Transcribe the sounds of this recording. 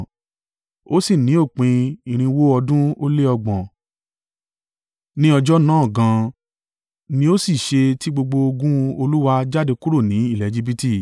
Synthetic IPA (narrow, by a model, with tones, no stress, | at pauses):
o˦si˦˨nĩ˨˦o˦˨k͡pĩ˧i˨ɾ̃ĩ˧wo˦ɔ˧dũ˦o˦le˦ɔ˧ɡ͡bɔ̃˨ | nĩ˦ɔ˧d͡ʒɔ˦nãː˦˨ɡã˨˧ | nĩ˧˦o˦si˦˨ʃe˧ti˦ɡ͡bo˧ɡ͡bo˧o˧ɡũ˦o˧lu˦wa˧d͡ʒa˦de˧ku˦ɾo˦˨nĩ˨˦i˦˨lɛ˨d͡ʒi˧bi˦ti˦˨